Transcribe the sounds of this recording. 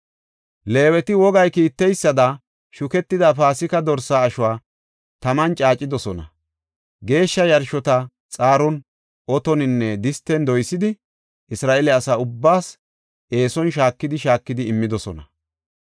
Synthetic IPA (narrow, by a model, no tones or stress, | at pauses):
le̞ːwɛt̪ɪwɔɡɐjkiːt̪ːɛjsːɐd̪ɐ | ʃʊkɛt̪ːɪd̪apaːsɪkɐd̪ɔɾsaːʃʊwaː | t̪ɐmɐnt͡ʃʼaːt͡ʃʼːɪd̪ɔsɔnɐ̰ | ɡe̞ːʃːɐjɐɾʃɔt̪ɐ | t͡sʼaːɾɔn | ʔɔt̪ɔnɪnːɛd̪ɪst̪ːɛnd̪ɔjsːɪd̪ɪ | ʔɪsɾaːʔɛlɛɐsaːʊbːaːs | e̞ːsɔnʃ̬aːkːɪd̪ɪʃaːkːɪd̪ɪɪmːɪd̪ɔsɔ̰nɐ̰